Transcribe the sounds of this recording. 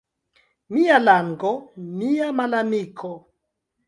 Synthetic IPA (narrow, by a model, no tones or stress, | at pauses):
mijalaŋɡɔmijamalamikʰɔ